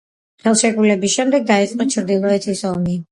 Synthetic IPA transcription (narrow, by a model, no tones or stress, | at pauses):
χɛlˠʃɛkʼulɛbisʃɛmd̪ɛɡ̚d̪ait̪sʼqʼɔt͡ʃʰɾd̪ilˠɔɛt̪ʰisɔmi